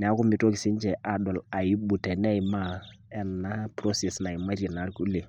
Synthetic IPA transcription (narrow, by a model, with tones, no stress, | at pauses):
nɛ˨a˨˦ku˦mi˦to˦ki˨si˦n˦t͡ʃɛ˨ʔa˨dɔ˨la˨ji˦bu˨te˨nɛ˦ji˨ma˦ | ɛ˦nːa˦pɾo˦se˨sna˨i˨ma˦ɾi˨na˨˦ɾku˦le˨